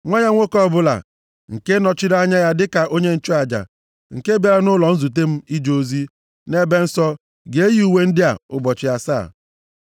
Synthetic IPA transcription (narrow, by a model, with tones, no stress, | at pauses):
ŋʷa˦ɲa˦ŋʷo˦kɔ˦bʊ˦la̰˨ | ŋ̩˨ke˦nɔ˨t͡ʃɪ˦ɾa˦ɲa˦ja˦dɪ˦ka˨ʔo˦ɲe˦n̩˦t͡ʃo˦a˨d͡ʒa̰˨ | ŋ̩˨ke˦be˨ɾa˦nʊ˦lɔ˨n̩˦zu˨t̬e˦m̩˦i˦d͡ʒo˦zi˦ | ne˦be˦n̩˦sɔ˦ | ɡe˨e˦ji˦u˨we˦n̩˦dɪ˦a̰˨ʊ˦bɔ˨t͡ʃɪ˨ja˦sa̰ː˦˨